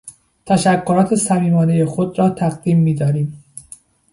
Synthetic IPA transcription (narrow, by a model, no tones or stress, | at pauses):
t̪ʰæʃækʰːoɾɒːt̪ʰe̞sæmiːmɒːnejexod̪ɾɒːt̪ʰæɣd̪iːmːiːd̪ɒːɾiːm